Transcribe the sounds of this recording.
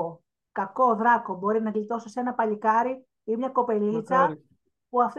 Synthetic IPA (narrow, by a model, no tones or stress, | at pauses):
kɐko̞ðɾɐko̞bo̞ɾinɐɣlit̪o̞sise̞nɐpɐʎikɐɾi | imɲɐko̞pe̞lit͡sɐ | puɐft̪